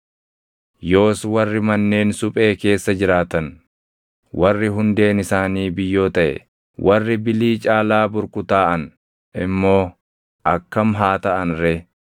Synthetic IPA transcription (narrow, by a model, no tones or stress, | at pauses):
jo̞ːswɐrːɪmɐnːe̞ːnsʊpʼe̞ːke̞ːsːɐd͡ʒɪɾaːt̪ɐn | wʔɐrːɪɦʊnd̪e̞ːnɪsaːniːbɪjːo̞ːt̪ɐʔɛ̰ | wʔɐrːɪbɪliːt͡ʃʼaːlaːbʊɾkʊt̪aːʔɐn | ɪmːo̞ː | ʔɐkːɐmɦaːt̪ɐʔɐnɾɛ